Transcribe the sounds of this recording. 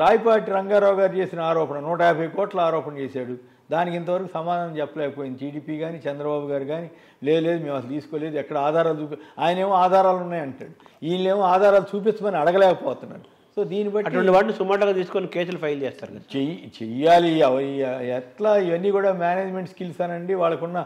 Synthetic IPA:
ʈaːjpaːɾʈiɾɐŋɡaːɾaːwɡaːɾit͡ʃeːsinɐaːɾɔːpɐnɐnuːʈɐjaːbʱɐjkɔːʈlɐaːɾɔːpɐnɐt͡ʃeːsaːɽu | d̪aːnikint̪ɐʋɐɾɐkuːsɐmaːd̪ʱanɐmt͡ʃɛpːɐlɛːkɐpoːjind̪iʈiːɖiːpiːɡaːnit͡ʃɛnd̪ɾɐbaːbuɡaːɾuɡaːni | le̞ːd̪le̞ːd̪umeːmɐsɐlt̪iːsu̥koːle̞ːd̪uɛkːɐɽɐaːd̪ʱaːɾaːlt͡ʃuːp̬iaːjɐne̞ːmoaːd̪ʱaːɾaːlunːaːjɐɳʈa̰ːɽu | iːnleːmoaːd̪ʱaːɾaːlut͡ʃuːp̬it͡ʃːɐmɐniɐɽɐɡɐlɛːkɐpɔːt̪unːa̰ːɾu | so̞ːd̪iːnibɐʈːɐʈːiuʋɐʈiʋaːʈnisumaːʈlaɡaːt̪iːsu̥konikeːs̬ulupʰɐjlt͡ʃeːst̪aːɾkɐet͡ʃɛjaːliɐʋɐɛʈlaːiʋɐnːiːkuːɽaːmjaːneːd͡ʒmeɳʈskilsɐnɐɳɖiʋaːɭːɐkunːɐ

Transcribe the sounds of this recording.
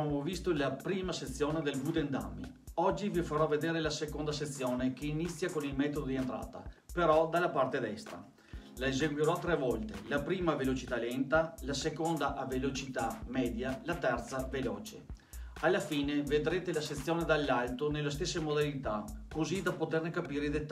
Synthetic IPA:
amovist̪olapɾiːmaset̪sːjoːned̪elɡud̪end̪a̰mːḭ | ɔd͡ʒːivifaɾɔved̪eːɾelasekond̪aset̪sːjoːnekeinit̪sːjakonilmɛːt̪od̪od̪ient̪ɾa̰ːt̪a̰peɾɔd̪alːapart̪ed̪ɛst̪ɾa̰ | laezeɡwiɾɔt̪ːɾɛvɔlt̪ḛlapɾiːmavelot͡ʃit̪alɛnt̪alasekond̪aʔavelot͡ʃit̪amɛːd̪jalat̪ɛrt̪savelɔ̰ːt͡ʃḛ | alːafiːneved̪ɾeːt̪elaset̪sːjoːned̪alːalt̪onelːes̬t̪esːemod̪alit̪akozid̪apot̪ernekapiːɾeid̪et̪ː

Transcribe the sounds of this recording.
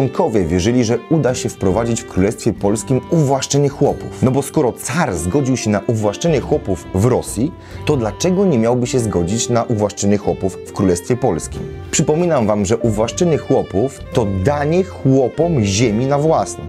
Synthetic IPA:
ɔŋkʰɔvʲjɛvʲjɛʐɘlʲiʐɛud̪aɕɛfpɾɔvad͡ʑit͡ɕfkɾulɛst̪fʲjɛpɔlskʲimuvwaʂt͡ʂɛɲɛxwɔpṵfnɔbɔskɔɾɔt̪saɾzɡɔd͡ʑiwɕɛnaʔuvwaʂt͡ʂɛɲɛxwɔpufvɾɔsʲji | t̪ɔd̪lat͡ʂɛɡɔɲɛmʲjawbɘɕɛzɡɔd͡ʑit͡ɕnaʔuvwaʂt͡ʂɛɲɛxwɔpuffkɾulɛst̪fʲjɛpɔlskʲḭm | pʂɘpɔmʲinamvamʐɛʔuvwaʂt͡ʂɛɲɛxwɔpuft̪ɔd̪aɲɛxwɔpɔmʑemʲinavwasnɛ̰

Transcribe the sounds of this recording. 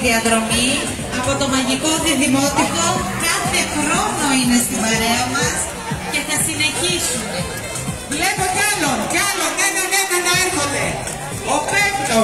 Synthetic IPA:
ðiɐðɾo̞mi | ɐpo̞t̪o̞mɐʝiko̞ðiɐðimot̪iko̞kɐθe̞xɾo̞no̞ine̞st̪imɐɾeɐmɐs | ce̞θɐsine̞çisune | vle̞pocɐloncɐlonðeneneneneɾxond̪e | opevlo

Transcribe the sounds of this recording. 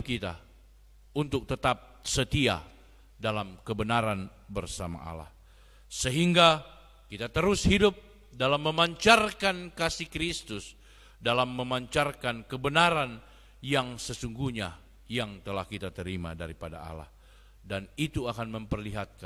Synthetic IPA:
kit̪a̰ | unt̪ʊk̚t̪ət̪ap̚sət̪ia̰ | dalamkəbənaɾan | bərsama̰ʔa̰la̰h | səɦiŋɡa | kit̪at̪əɾʊshidʊp̚ | dalamːəmaɲt͡ʃarkankasihkɾist̪ʊs | dalamːəmaɲt͡ʃarkankəbənaɾan | jaŋsəsuŋɡuhɲa | jaŋt̪əlahkit̪at̪əɾima̰daɾipada̰a̰la̰h | danit̪uakanməmpərliɦat̪̚ka

